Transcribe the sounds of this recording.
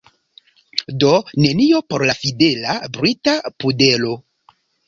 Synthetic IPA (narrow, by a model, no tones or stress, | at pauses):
do̞ne̞nio̞po̞ɾlafide̞labɾitapude̞lo̞